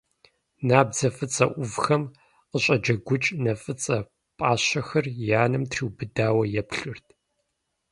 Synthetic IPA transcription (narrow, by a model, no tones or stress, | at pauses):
naːbzɐfʼɨt͡sʼɐ̰ʔʷʊvxɐm | qəɕʼɐd͡ʒɐɡʷʊt͡ʃʼnɐfʼɨt͡sʼɐ | pʼaːɕɐxɐrjaːnɨmtʰriːwbɨdaːwɐjɛpɬʊrtʰʼ